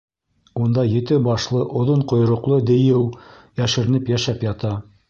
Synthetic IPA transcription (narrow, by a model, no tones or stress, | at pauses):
und̪ɑjɘ̆t̪ɘbɑʃlˠɤʔŏðoɴqŏjɾŏqlˠɤd̪ɘ̆jɘw | jæʃɘ̆ɾɘ̆nɘpjæʃæpjɑt̪ɑ